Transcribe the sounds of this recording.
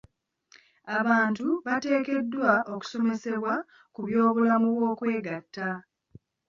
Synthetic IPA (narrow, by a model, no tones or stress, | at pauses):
aβaːntuβate̞ːke̞dːwaʔo̞ku̥so̞me̞se̞βwa | kuβjo̞ːβulamuβwo̞ːkwe̞ːɡatːa